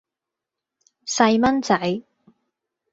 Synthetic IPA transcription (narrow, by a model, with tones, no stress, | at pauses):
sɐ˧jmɐ˥nt͡sɐ˨˥j